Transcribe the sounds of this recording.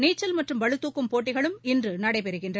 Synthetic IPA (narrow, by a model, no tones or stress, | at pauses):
niːt͡ʃːɐlmɐʈrɯmʋɐɻɯt̪ːuːkːɯmpoːʈːɪɣɐɭɯmɪndrɯnɐɽɐɪpɛɾɯɣɪndrɐ